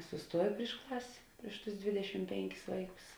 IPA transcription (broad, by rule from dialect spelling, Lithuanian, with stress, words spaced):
sʊˈstuɔjɪ pʲrʲɪʃ ˈklˠɐsʲ ˈpʲrʲɪʃ ˌtʊs ˈdʲʋʲɪdʲɛʃʲɪm ˈpʲɛŋʲˌkʲɪs ˈʋɐɪˌkʊs